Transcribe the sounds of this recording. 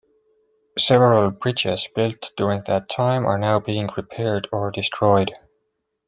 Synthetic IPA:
sɛvəɹəlˠbɹɪd͡ʒɪz̥b̥ɪlˠtd̥ʊɹɪ̃ŋðɨtʰãɪ̃mə̰˞naʊbiɪ̃ŋpɹipʰɛɹdəɹdɨstʰɹ̥ɔɪd̥

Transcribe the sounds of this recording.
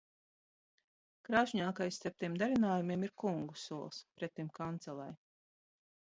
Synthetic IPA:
kɾaːʒɲaːkajst̪aɾp̚t̪imd̪aɾinaːjumiɛmiɾkuŋɡusuɔlˠspɾɛt̪ːimkant̪sɛlˠa̰j

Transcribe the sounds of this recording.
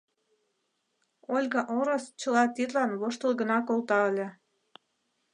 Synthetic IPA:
olʲɡɑʔoɾost͡ɕə̆lɑt̪id̪lɑnβoʃt̪ə̆lˠɣənɑkolt̪ɑəlʲĕ

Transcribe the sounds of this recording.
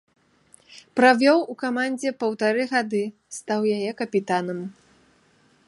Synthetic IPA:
pɾavʲɔwukamanʲd͡zʲɛpɐwt̪aɾɨɣad̪ɨ | st̪awjajɛkɐpʲit̪anɐm

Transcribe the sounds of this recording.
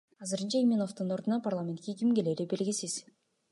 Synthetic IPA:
ɑzɯɾɯnt͡ʃɑimʲenoft̪ɯno̞ɾd̪unɑparlˠamʲent̪̚kʲekʲimɡe̞leːɾibe̞ɾɡʲisiz̥

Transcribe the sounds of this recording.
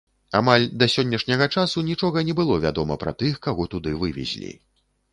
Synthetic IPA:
a̰malʲd̪ɐsʲɔnʲːɐʂnʲɐɣɐt͡ʂasunʲit͡ʂɔɣɐnʲɛbɨlˠɔvʲad̪ɔmɐ̰pɾɐ̰t̪ɨxkaɣɔt̪ud̪ɨvɨvʲɛ̰zʲlʲḭ

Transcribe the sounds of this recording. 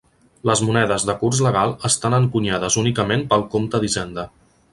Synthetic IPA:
ləzmunɛðəzðəkurzləɣ̞alˠəst̪anəŋkuɲaðəzunikəmenpəlˠkomt̪əðizɛnd̪ə

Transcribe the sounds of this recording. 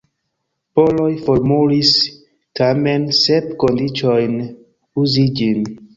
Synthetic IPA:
polo̞jfoɾmulis | tame̞nsepko̞ndit͡ʃo̞jn | uzid͡ʒin

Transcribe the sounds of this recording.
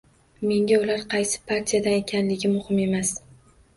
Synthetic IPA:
me̞ŋɡʲaʊlaɾqʰɑjsɪ̥pʰaɾt̪ʰijad̪ane̞kʲʰanlɪɡʲɪmʊhɪme̞mas

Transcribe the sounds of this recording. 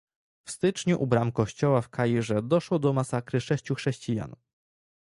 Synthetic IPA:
fst̪ɘt͡ʂɲuʔubɾamkɔɕt͡ɕɔwafkʰajiʐɛd̪ɔʂwɔd̪ɔmasakɾɘʂɛɕt͡ɕuxʂɛɕt͡ɕija̰n

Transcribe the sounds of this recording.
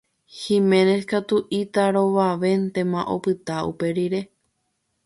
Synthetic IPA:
hĩmẽ̞neskat̪uʔit̪aɾo̞ʋaʋe̞nt̪ẽ̞mãʔo̞̰pɨt̪aṵpe̞ɾiɾe̞

